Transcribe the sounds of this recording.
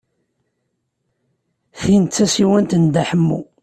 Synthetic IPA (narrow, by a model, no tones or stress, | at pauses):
θint̪t͡sːæsiwænt̪ənd̪aħəmːṵ